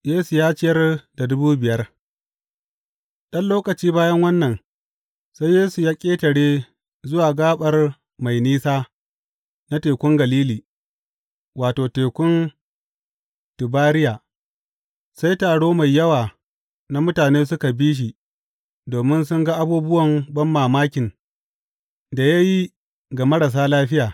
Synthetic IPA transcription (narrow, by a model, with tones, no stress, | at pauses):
jeː˦su˨jaː˦t͡ʃɪ˦jɐ˦rda˨dʊ˦buː˦bɪ˨jɐ˦r | ɗɐ˦nloː˦kʼɐ˨t͡ʃiː˦baː˦jɐ˦ŋwɐ˦nːɐ˨n | sa˦jːeː˦su˨jaː˦kʲʼeː˦tɐ˨ɽeː˦ | zʊ˦waː˨ɡaː˦ɓɐ˨r | ma˨jniː˦saː˦ | na˦teː˨kʷʊ˦ŋɡɐ˨liː˦liː˨ | waː˨toː˨teː˨kʷʊ˦n | tʊ˨baː˦ɾɪ˦jaː˨ | sa˦jtaː˨ɽoː˦ma˨jːɐ˦waː˨ | na˦mʊ˦taː˨neː˦s̬ʊ˦ka˨biː˦ʃ̬i˨ | doː˨mɪ˦nsʊ˦ŋɡa˦ʔa˦buː˦bʊ˦wɐ˨mbɐ˦mːaː˨maː˦kʲɪ˨n | da˨ja˦ji˦ | ɡa˨mɐ˦ɽa˨s̬aː˦laː˦ɸɪ˦jaː˨